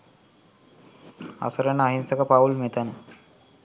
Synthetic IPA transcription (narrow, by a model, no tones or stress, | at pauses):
a̰səɾənəaɦinsəkəpaulmet̪ənə